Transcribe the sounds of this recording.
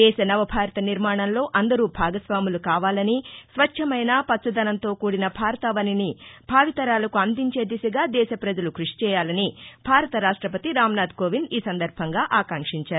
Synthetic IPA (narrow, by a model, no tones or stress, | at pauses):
d̪ɛːʃɐnɐʋɐbʱaːɾɐt̪ɐniɾmaːɳɐnlo̞ːʔɐnd̪ɐɾuːbʱaːɡɐsʋaːmulukaːʋaːlɐnisʋɐt͡ʃt͡ʃʰɐmɐjnaːpɐt̪ːsɐd̪ɐnɐnt̪o̞ːkuːɽinɐbʱaːɾɐt̪ɐʋɐninib̥ʱaːʋit̪ɐɾaːlɐkuɐnd̪iɲt͡ʃe̞ːd̪isɐɡaːd̪ɛːʃɐpɾɐd͡ʒɐlukɾuʂi̥t͡ʃɛːjaːlɐnib̥ʱaːɾɐt̪ɐɾaːʂʈɾɐpɐt̪iɾaːmnaːd̪̚koːʋiniːsɐnd̪ɐɾbʱɐŋɡaːʔaːkɐŋkʂiɲt͡ʃaːɾu